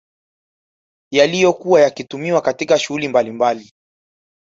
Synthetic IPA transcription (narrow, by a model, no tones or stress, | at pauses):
jalijɔkuwajakitumiwakatikaʃuhulimbalimbali